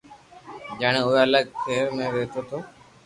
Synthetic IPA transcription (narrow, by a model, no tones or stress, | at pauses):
d͡ʒaːɳ̃ẽːʊeːələɠt̪ʰeːɾmẽːʋeːt̪oːt̪ʰoː